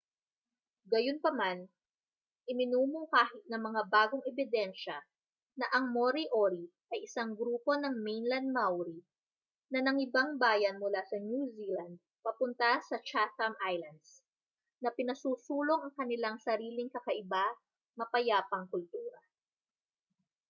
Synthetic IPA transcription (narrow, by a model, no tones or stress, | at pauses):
ɡɐjonpɐman | ʔɪmɪnuːmoŋkaːɦɪt̪̚nɐŋmɐŋabaːɡoŋɛbɪd̪ɛnʃɐ | nɐʔɐŋmoɾiʔoɾiʔɐjʔɪsaŋɡɾuːpo̞nɐŋmejnlɐnd̪̚mawɾi | nɐnɐŋɪbaŋbaːjɐnmʊlasɐnjuzilɐnd̪̚ | pɐpʊnt̪ɐsɐt͡ʃak̪ɐmʔajlɐnd̪s | nɐpɪnɐsuːsuːlo̞ŋʔɐŋkɐnɪlaŋsɐɾiːlɪŋkɐkɐʔɪba | mɐpɐjaːpɐŋkʊlt̪uːɾɐ